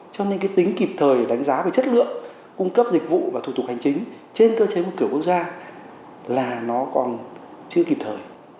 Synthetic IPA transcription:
t͡ɕɔ˧ne˧nkaː˨˦jt̪i˨˦ŋ̟ki˨˩p̚t̪ʰəː˨˩jɗa˨˦jŋ̟zaː˨˦ve˨˩t͡ɕə˦˥t̚lɨ̰˧˨əŋ | kʊ˧ŋ͡mkə˦˥p̚zï˨˩k̟̚vṵ˧˨vaː˨˩t̪ʰu˨˧˩t̪ʊ˨˩k̚ha˨˩ŋ̟t͡ɕï˨˦ŋ̟ | t͡ɕe˧nkəː˧t͡ɕe˨˦mo˨˩t̚kɨ˧˩əkwə˥k̚zaː˧ | laː˨˩nɔ˨˦kɔ˨˩nt͡ɕɨ˧˥əki˨˩p̚t̪ʰəː˨˩j

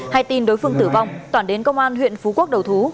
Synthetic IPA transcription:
ha˧jt̪i˧˩nɗo˨˦jfɨ˧əŋt̪ɨ˧˩va˧˩wŋ͡mt̪waː˧˩nɗe˨˦nkə˧wŋ͡mʔaː˧nɦwḭ˧˨ənfu˨˦ku˦˥ək̚ɗə˨˩wt̪ʰu˨˦

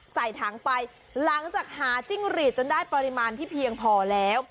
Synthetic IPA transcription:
sa˨˩jt̪ʰaː˩˦ŋpa˧j | la˩˦ŋt͡ɕaː˨˩k̚haː˩˦t͡ɕi˥˩ŋɾiː˨˩t̪̚t͡ɕo˧ndaː˥˩jpa˧ɾi˧maː˧nt̪ʰiː˥˩pʰi˧əŋpʰɔː˧lɛː˦˥w

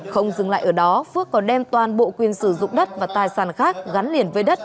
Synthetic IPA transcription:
xə˧wŋ͡mzɨ˨˩ŋla̰ː˧˨jʔəː˧˩ɗɔ˨˦fɨ˦˥əkːɔ˨˦nɗɛ˧mt̪waː˨˩nɓo̰˧˨kwi˧˩ənsɨ˧˩zʊ̰˧˨ŋ͡mɗə˦˥t̚vaː˨˩t̪aː˨˩jsaː˧˩nxaː˦˥k̚ɣa˨˦nli˨˧˩ənvəː˨˦jɗə˦˥t̚

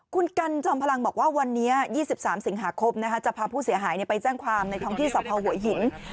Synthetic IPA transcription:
kʰu˧nka˧nt͡ɕɔː˧mpʰa˧la˧ŋbɔː˨˩k̚waː˥˩wa˧nːiː˦˥ɐjiː˥˩si˨˩p̚saː˩˦msi˨˩˦ŋɦaː˩˦kʰo˧mna˦˥kʰa˦˥t͡ɕa˨˩pʰaː˧pʰuː˥˩si˩˦ɦaː˩˦jni˥˩pa˧jt͡ɕɛː˥˩ŋkʰwaː˧mna˧jt̪ʰɔ˦˥ŋt̪iː˥˩sa˨˩pʰɔː˧hu˨˩˦ɐjɦi˨˩˦n

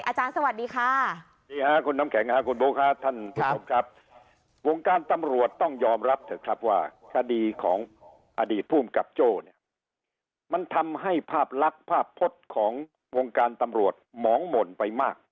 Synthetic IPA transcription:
ʔaː˧t͡ɕaː˧nsa˧wa˨t̪̚diː˧kʰaː˦˥˩ | iː˧kʰa˦˥kʰu˧nːa˦˥mkʰɛ˨˩˦ŋkʰa˦˥kʰu˧nboː˦˥kʰa˦˥t̪ʰa˥˩nkʰu˦˩o˧mkʰɾa˦˥p̚ | wo˧ŋkaː˧nt̪a˧mɾu˨˩ət̪ːɔ˥˩ŋjɔː˧mɾa˦˥p̚t̪ʰɯ˨˦kʰɾa˦˥p̚waː˥˩kʰa˧diː˧kʰɔ̰ː˩˦ŋ | ʔa˧diː˨˩t̪̚pʰuː˥˩mka˨˩p̚t͡ɕoː˥˧˩ni˦˥˩ɐ | ma˧nt̪ʰa˧mɦa˥˩jpʰaː˥˩p̚la˦˥k̚pʰaː˥˩pʰːo˦˥t̪̚kʰɔː˩˦ŋ | wo˧ŋkaː˧nt̪a˧mɾu˨˩ət̪̚mɔː˩˦ŋmo˨˩˦npa˧jmaː˥˩k̚

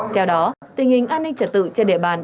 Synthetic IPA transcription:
t̪ʰɛ˧wɗɔ˨˦t̪ï˨˩ŋhï˨˩ŋ̟ʔaː˧nːï˧ŋt͡ɕə˨˧˩t̚t̪ɨ̰˧˨t͡ɕɔ˧nɗḭ˧˨əɓaː˨˩n

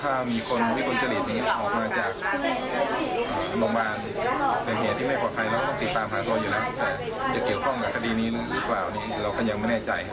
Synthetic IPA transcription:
t̪ʰaː˥˩miː˧kʰo˧n˧wi˦˥˩t̪ʰo˧t͡ɕa˧li˨˩t̪̚ja˨ŋːi˦˥ɐ˥˧ʔɔː˨˩k̚maː˧t͡ɕaː˨˩kk̚ | lo˧˦ŋbaː˧n | pe˧˩nɦeː˨˩t̪ʰːiː˧˩ma˥˩pʰɔː˨˩t̪pʰa˧jlkɔː˥˩t̪ɔ˥˩˧t̪i˨˩t̪ːaː˧mɦaː˩˦t̪u˧ɐjuː˨˩na˦˥t̪ɛː˨˩ | t͡ɕa˨˩ki˨˩əwkʰɔ˥˩ŋkaː˨˧˩kʰa˧diː˧niː˦˥lːlɯː˦˥plaː˨˩wniː˧˩la˧wkɔː˥˩ɲa˧ŋma˧˥˩nɛː˧˥˩t͡ɕa̰˧j

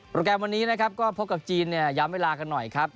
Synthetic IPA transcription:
pɾoː˧kɛː˧mwa˧nːiː˦˥na˦˥kʰa˦˥p̚kɔː˥˩pʰo˦˥p̚ka˨˩p̚t͡ɕiː˧nːi˥˩ɐjaː˦˧˥mweː˧laː˧ka˧nːɔ˨˩jkʰɾa˦˥p̚

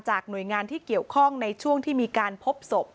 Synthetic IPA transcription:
t͡ɕaː˨˩k̚nu˨˩əjŋaː˧nt̪ʰiː˥˩ki˨˩əwkʰɔ˥˩ŋna˧jt͡ɕʰu˥˩əŋt̪ʰiː˥˩miː˧kaː˧npʰo˦˥p̚so˨˩p̚

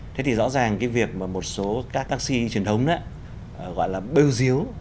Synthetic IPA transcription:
t̪ʰe˨˦t̪ʰi˨˩zɔ̰˧˥zaː˨˩ŋkaː˨˦jvi˨˩ək̚maː˨˩mo˨˩t̚so˨˦kaː˦˥k̚t̪aː˧˦k̚si˧t͡ɕi˨˩ənt̪ʰə˨˦wŋ͡mnaː˧˦˨ | ɣɔ̰˧˨jlaː˨˩ɓe˧wzi˨˦əw

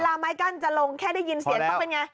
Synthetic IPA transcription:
laː˧maː˦˥jka˥˩nt͡ɕa˨lo˧ŋkʰɛː˥˩da˥˩ji˧nsi˨˦t̪ʰa˦˥pe˧nŋa˧j

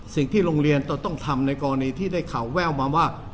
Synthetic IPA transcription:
si˨˩ŋt̪ʰiː˥˩ɾoː˧ŋɾi˧ənt̪ɔ˨˧˩t̪ɔ˥˩ŋt̪ʰa˧mna˧jkɔː˧la˧niː˧t̪ʰiː˥˩daː˥˩jkʰa˨˩˦wːɛː˥˩wmaː˧waː˥˩

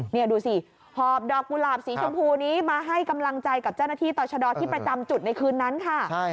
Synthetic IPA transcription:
ni˥˩ɐduː˧si˧˩ | hʰɔː˨˩p̚dɔː˨˩k̚ːu˧laː˨˩p̚siː˩˦t͡ɕʰo˧mpʰuː˧niː˦˥maː˧ɦa˥˩jka˧mla˧ŋt͡ɕa˧jka˨˩p̚t͡ɕa˥˩wnaː˥˩t̪ʰiː˥˩t̪ɔː˧t͡ɕʰa˧dɔː˧t̪ʰiː˥˩pɾa˧t͡ɕa˧mt͡ɕu˨˩t̪̚na˧jkʰɯː˧nːa˦˥nkʰa˥˩˥

